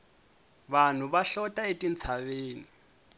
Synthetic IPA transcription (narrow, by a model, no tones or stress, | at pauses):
βan̤uβaɬɔtʼaetʼint͡sʰaβeːni